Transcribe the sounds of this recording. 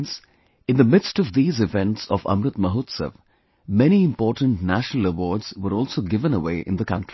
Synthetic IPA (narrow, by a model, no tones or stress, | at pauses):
ns | ɨ̃nðəmɪdstɔvðiːzɪvɛ̃nʈsɔvʌ̰̃mɾɨt̪məɦoːt̪sə̰v | mɛñiɪ̃mpɔːʈə̃n̩tnæʃnəl̩əwɔːɖz̥wəɾɔːlˠsoːɡɪvə̃nəwḛɪʔɪ̰̃nðəkʌ̃ntʰɹi